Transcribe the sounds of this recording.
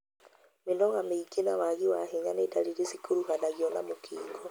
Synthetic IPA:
menɔɣameikenawaɣiwaɦeɲanetaɾiɾesikoɾuɦanaɣiɔna̰mokʰiːɡɔ

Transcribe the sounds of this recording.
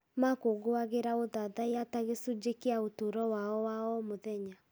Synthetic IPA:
makoɡoaɣeɾaoðaðaeataɣesud͡ʑekeaotoɾɔwaɔwaɔmoðɛɲa

